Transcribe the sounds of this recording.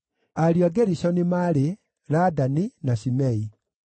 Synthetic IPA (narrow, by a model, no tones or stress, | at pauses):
aɾjaɡɛɾisɔnimaɾe | ɾadaninaɕimɛi